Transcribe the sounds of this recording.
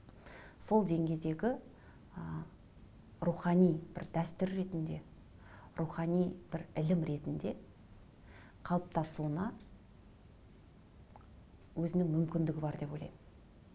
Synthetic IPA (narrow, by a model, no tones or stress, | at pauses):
so̞lˠd̪e̞ŋɡʲe̞jd̪e̞ɡʲɪ | ə | ɾuχɑnijb̥ɪ̰ɾd̪æst̪ʏɾːe̞t̪ɪnd̪e̞̰ | ruχɑnijb̥ɪɾɪlɪmɾe̞t̪ɪnd̪e̞ | qʰɑlˠəp̚t̪ʰɑsuənɑ | wɵzɪnɪŋmʏmkʲɪnd̪ɪɡʲɪbɑɾd̪e̞po̞jlˠɑ̰jm